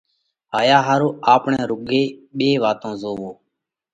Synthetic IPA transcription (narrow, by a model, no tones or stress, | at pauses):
ɦaːjaːɦaːɾoːaːpɳɛ̃ːɾʊɡeːɓeːʋaːt̪õːzoːʋoː